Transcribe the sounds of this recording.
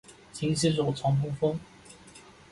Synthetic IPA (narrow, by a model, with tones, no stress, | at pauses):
t͡ɕʰi˧˥ŋɕi˥ʂo˨˩t͡sʰwɑ˧˥ŋk̪ʰʊ˥ŋfɤ˥ŋ